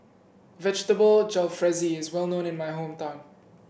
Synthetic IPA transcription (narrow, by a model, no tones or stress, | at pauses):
vɛd͡ʒtəbəld͡ʒalfɹɛziɪzwɛlˠnõʊ̃nɪ̃nmaɪɦõːmtãɪ̃m